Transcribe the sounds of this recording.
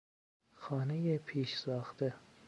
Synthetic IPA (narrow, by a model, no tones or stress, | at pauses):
xɒːnejepʰiːʃsɒːxt̪e